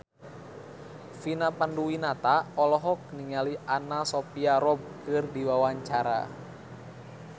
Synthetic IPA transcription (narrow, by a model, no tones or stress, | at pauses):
finapanduwinat̪aɔlɔɦɔk̚niŋaliʔanasɔpiaɾɔb̚kɨrdiwawaɲt͡ʃaɾa̰